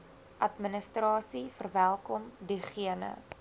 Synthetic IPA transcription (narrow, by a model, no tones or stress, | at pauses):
ʔɐtmənəstrɑːsifərvælˠkɔmdiχiənə̰